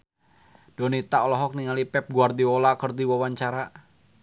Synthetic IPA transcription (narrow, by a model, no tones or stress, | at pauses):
d̥ɔnit̪aɔlɔɦɔk̚niŋalipɛp̚ɡuardiolakərdiwawaɲt͡ʃaɾa